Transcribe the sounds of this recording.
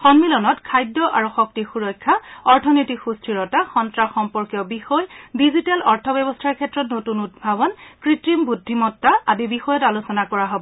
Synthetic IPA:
xɔnmilɔnɔtkʰajdːɔʔa̰ɹuxɔk̚tixuɹɔjkʰːaɔɹtʰɔnojtikxustʰɹiɹɔtaxɔntɹaxɔmpɔɹkjɔbixɔjdizitalɔɹtʰɔbɛbɔstʰaɹkʰɛtɹɔtnotunud̚bʱabɔnkɹitɹimbudʱːimɔtːaʔadibixɔjɔtalusɔnakɔɹaɦɔbɔ

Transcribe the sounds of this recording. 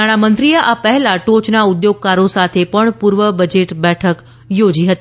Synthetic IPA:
aɽ̃amənt̪ɾijəʔapəɦɛlaʈot͡ʃnaʊd̪joɡ̚kaɾosat̪ʰepəɳpuɾʋəbəd͡ʒeʈbɛʈʰək | jod͡ʒiɦət̪i

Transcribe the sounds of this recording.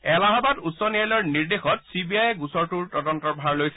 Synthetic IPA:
ɛlaɦabatutsɔnijalɔɹniɹdexɔtsibiajɛɡusɔɹtuɹtɔdɔntɔɹbʱaɹlojsɛ̥

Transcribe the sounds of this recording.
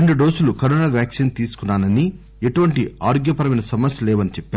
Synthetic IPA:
eɳɖuɖoːsulukɐɾɔːnaːʋjaːkʂiːnt̪iːsu̥kunːaːnɐni | eʈuʋɐɳʈia̰ːɾoɡjɐpɐɾɐmɐjnɐsɐmɐsjɐlɛːʋɐnit͡ʃɛpːaːɾ

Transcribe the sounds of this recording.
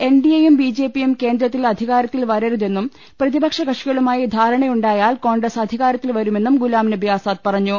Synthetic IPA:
e̞nɖijejumbiːd͡ʑeːpːijumke̞ːnd̪ɾɐt̪ːilɐd̪ʱiɣaːɾɐt̪ːilʋɐɾɐɾuðe̞nːum | prɐðibɐkʂɐɡɐʂiɣɐɭumaːjid̪ʱaːɾɐɳɐjuɳɖaːjaːlko̞ːɳɡrɐsɐd̪ʱiɣaːɾɐt̪ːilʋɐɾume̞nːumɡulaːmnɐbjaːsaːt̪̚pɐrɐɲːu

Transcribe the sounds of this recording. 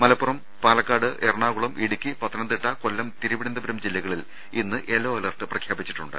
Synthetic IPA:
mɐlɐpːurɐm | paːlɐkːaːɽɨʔerɳaːɣuɭɐmʔiɽukʲːipɐt̪ːɐnɐnd̪iʈːɐkolːɐmt̪iɾuʋiɽɐnd̪ɐbɐɾɐmd͡ʑilːɐɣɐɭil | inːɨʔelːoːɐlɐrʈːɨprɐkʰjaːbit͡ɕːi̥ʈːuɳɖɨ̰

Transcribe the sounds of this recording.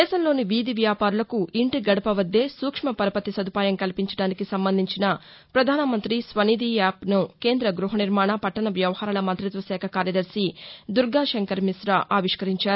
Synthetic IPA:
d̪ɛːʃɐmlo̞ːniʋiːd̪iʋjaːpaːɾulɐkuiɳʈiɡɐɽɐpɐʋɐd̪ːe̞ːsuːkʂmɐpɐɾɐpɐt̪isɐd̪ʱupaːjɐmkɐlipiɲt͡ʃɐ̥ɽaːnikisɐmbɐnd̪ʱiɲt͡ʃinɐ | pɾɐd̪ʱaːnɐmɐnt̪ɾisʋɐniːd̪iaːpnuke̞ːnd̪ɾɐɡɾuɦɐniɾmaːɳɐpɐʈːɐɳɐʋjɐʋɐhaːɾɐlɐmɐnt̪ɾit̪ʋɐsɛːkʰɐkaːɾjɐd̪ɐɾsid̪uɾɡaːʃɐŋkɐɾmisɾɐʔaːʋiʂkɐɾiɲt͡ʃaːɾ

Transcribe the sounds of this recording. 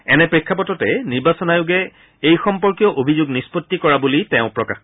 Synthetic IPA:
ɛnɛpɹikʰːapɔtɔtɛniɹbasɔnajʊɡɛ | ejxɔmpɔɹkijɔʔobʱizuɡnispotːikɔɹabulitɛʊ̃pɹɔka̰x

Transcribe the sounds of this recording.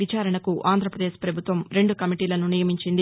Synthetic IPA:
it͡ʃaːɾɐɳɐkuʔaːnd̪ʱɾɐpɾɐd̪eːʃpɾɐbʱut̪ʋɐmɾe̞ɳɖukɐmiʈiːlɐnunijɐmiɲt͡ʃind̪i

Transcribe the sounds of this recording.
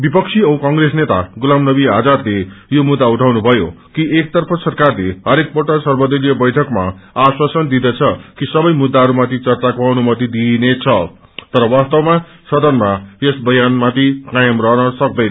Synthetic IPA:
bipʌk̚t͡sʰiʌw̃kʌŋresnet̪a̰ɡulamnʌbiɦad͡zarlejomud̪ːauʈʰawnubʱʌjo | kiʔek̚t̪ʌrpʰʌsʌrkarleɦʌɾek̚poʈʌsʌrbʌd̪ʌɾijʌbʌjʈʰʌkma̰aswasʌnd̪id̪ʌt͡sʰʌkisʌbʌjmud̪ːaɦʌɾumat̪ʰit͡sʌrt͡sakoʌnumʌt̪id̪inet͡sʰʌ | t̪ʌɾʌwast̪awma | sʌd̪ʌnmajesbʌjanmat̪ʰikajʌmrʌɦnʌsʌk̚d̪ʌjnʌ

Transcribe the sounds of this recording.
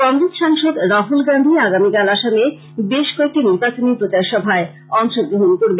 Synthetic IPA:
kɔnɾit̪ʃaŋʃod̪ɾaɦulɡand̪ʱiaɡamikalaʃame | beʃkɔek̚ʈiniɾbat͡ɕonipɾot͡ɕaʃɔbʱae | ɔŋʃoɡɾoɦonkoɾbe

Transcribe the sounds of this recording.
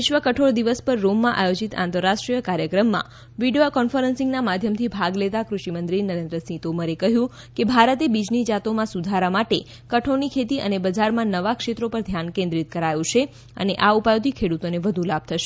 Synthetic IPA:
ɪʃʋəkəʈʰoɭd̪iʋəspəɾːomːãʔajod͡ʒit̪ã̰nt̪əɾːaʃʈɾijəkaɾjəkɾəmːã̰ | ʋiɖiokɔnfəɾənsɪ̃ŋɡnamad̪ʱjəmt̪ʰibʱaɡlet̪akɾuʃimənd̪ɾinəɾẽnd̪ɾəsĩt̪oməɾekəɦjũ | kebʱaɾət̪ebid͡ʒnid͡ʒat̪omãsud̪ʱaɾamaʈe | kəʈʰonikʰet̪iʔə̰nebəd͡ʒaɾmãnəʋakʃet̪ɾopəɾd̪ʱjankẽnd̪ɾit̪̚kəɾajũt͡ʃʰe | ə̰neʔaupajõt̪ikʰeɽut̪oneʋəd̪ʱũlab̚t̪ʰəʃe

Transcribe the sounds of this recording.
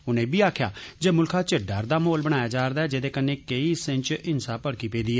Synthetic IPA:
ʊnẽːbiːaːkʰja̰ːd͡ʒeːmʊlkʰãːt͡ʃɪɖaːɾd̪aːmoːlbəɽ̃aːjaːd͡ʒaːɾd̪aːɛːd͡ʒeːd̪eːkənːẽːkəiːsə̃nt͡ʃɪnsaːpəɽkiːpẽːd̪iːɛː

